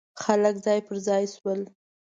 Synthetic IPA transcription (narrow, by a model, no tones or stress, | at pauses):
xaləkzɑjpəɾzɑjswəl